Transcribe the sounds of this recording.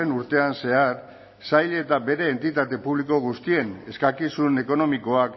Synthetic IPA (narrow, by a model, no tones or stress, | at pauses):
enuɾt̪e̞anse̞aɾ | sajʎe̞t̪abe̞ɾe̞ːnt̪it̪at̪e̞puβliko̞ɣ̞ust̪ie̞ne̞skakisune̞ko̞no̞miko̞ak